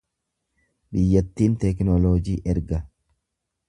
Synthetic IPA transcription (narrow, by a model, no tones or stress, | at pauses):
bɪjːɐt̪ːiːnt̪ɛknɔloːd͡ʒiːʔɛɾɡɐ